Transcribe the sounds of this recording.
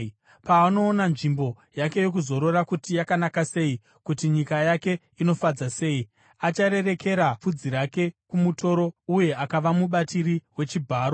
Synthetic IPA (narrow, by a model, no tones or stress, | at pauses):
paːno̞ːnanʐimbo̞ | jake̞jo̞k̬uzo̞ɾo̞rakutijakanakase̞i | kutiɲikajake̞ | ino̞fad͡zase̞ːi | at͡ʃaɾe̞re̞ke̞ɾafud͡ziɾake̞kumuto̞ɾo̞uje̞akaʋamuɓatiriwe̞t͡ʃibʱaːɾo̞